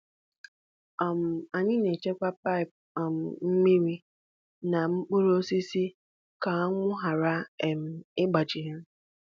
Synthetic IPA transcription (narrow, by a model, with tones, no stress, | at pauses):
a˨m̩˨a˨ɲɪ˦ne˨t͡ʃe˦kʷa˦pa˦ɪ˨p̚ | m̩˨m̩˦mi˦ɾi˦ | na˨ŋ͡m̩˦k͡pu˦ɾo˦si˦si˦ | ka˨a˦ŋʷʊ˦ɦa˨ɾa˦e˨m̩˨ɪ˦ɡ͡ba˨d͡ʒɪ˨ɦe˦m̩˦